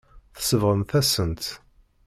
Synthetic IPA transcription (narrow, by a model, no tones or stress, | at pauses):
θə̥səvʁəmθæsənt̪